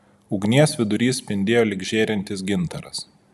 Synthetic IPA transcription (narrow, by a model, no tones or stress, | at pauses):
ʊɡnʲiɛsʋʲɪd̪ʊɾʲiːssʲpʲɪnʲd̪ʲeːjoːlʲɪɡʒʲeːɾʲɛnʲt̪ʲɪs̬ɡʲɪnt̪ɐɾɐs